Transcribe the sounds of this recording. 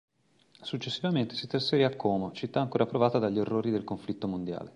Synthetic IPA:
sut͡ʃːesːivament̪e̥sit̪ɾasfeɾiakʰːɔːmot͡ʃit̪ːaːŋkoːɾapɾovaːt̪ad̪aʎːierːoːɾid̪elkoɱflit̪ːomond̪ja̰ːle

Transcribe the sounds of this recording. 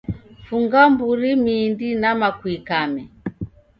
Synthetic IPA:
fuŋɡambuɾimiːndinamakwikamɛ

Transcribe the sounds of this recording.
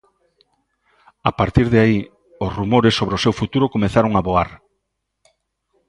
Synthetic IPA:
apaɾt̪iɾðeai | osrumoɾesːoβɾeosewfut̪uɾokomeθaɾoŋaβoaɾ

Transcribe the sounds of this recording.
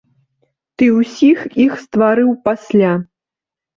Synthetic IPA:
t̪ɨwsʲixixst̪vaɾɨwpasʲlʲa

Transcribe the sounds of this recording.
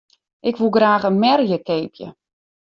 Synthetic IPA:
ʔɪkʋulˠɡraːxənmɛrjəkeːpʰjə̰

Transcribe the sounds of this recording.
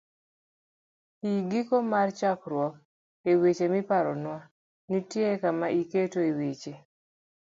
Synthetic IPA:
iɡikomart͡ʃakɾwɔk̚ | ewet͡ʃemipaɾɔnwa | nitjekamaʔiketoewet͡ʃe

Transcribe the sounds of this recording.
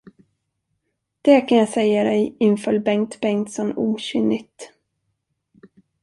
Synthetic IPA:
d̪̥ɛkʰanjɑsɛjːad̪ɛjɪnfœlbɛŋt̪bɛŋt̪sɔnuːɕʏnːɪt̪

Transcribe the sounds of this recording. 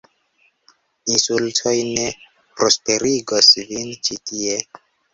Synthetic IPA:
insultʰo̞jne̞ | pɾospe̞ɾiɡosvint͡ʃitie̞

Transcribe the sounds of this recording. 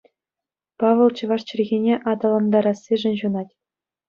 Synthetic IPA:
pɑʋʲɤ̆lˠt͡ɕɤ̆ʋɑʂt͡ɕɘ̆rʲɣʲenʲeʔɑd̪ɑlˠɑnd̪ɑɾɑsʲːeʐɘ̆nʲʑunɑtʲ

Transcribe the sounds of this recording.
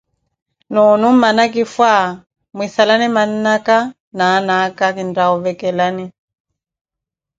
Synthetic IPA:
nɔnummanak̬ifwa | mwisalaniman̩naka | nanakakindaɔvɛkɛlani

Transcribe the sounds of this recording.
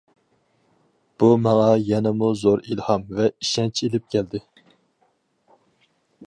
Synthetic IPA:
b̥umɑŋɑjɛnɛmuzoɾilhɑmvɛiʃɛnt͡ʃʰelɪp̚kʲʰɛld̪ɪ

